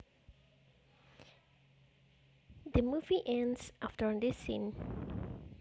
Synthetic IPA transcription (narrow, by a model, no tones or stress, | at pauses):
d̪əmuviʔɛ̃nsʔaftəɹɔ̃ndisḭ̃n